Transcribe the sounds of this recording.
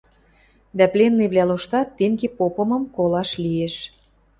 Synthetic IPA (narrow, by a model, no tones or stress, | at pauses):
d̪æplenːiβlʲæloʃt̪ɑt̪ːeŋɡepopɤ̆mɤ̆mkolɑʃlieʃ